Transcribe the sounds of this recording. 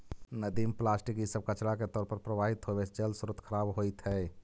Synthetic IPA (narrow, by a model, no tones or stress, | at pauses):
nəd̪implasʈikisəb̚kət͡ʃɽaket̪ɔːɾpəɾpɾəbaɦit̪ɦobed͡ʒəlsuɾut̪kʰəɾabɦojt̪ɦɛ